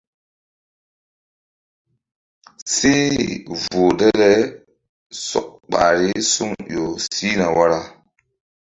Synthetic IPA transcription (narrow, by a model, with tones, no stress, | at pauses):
si˦vo˨dɛ˦ɾɛ˦ | sɔ̰˨k̚k͡pa̰˨ɾi˦su˦ŋjo˨si˦na˨wa˦ɾa˦